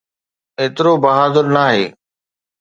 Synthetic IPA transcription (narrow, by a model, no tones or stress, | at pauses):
eːt̪ɪɾobɐɦaːd̪əɾnaːɦeː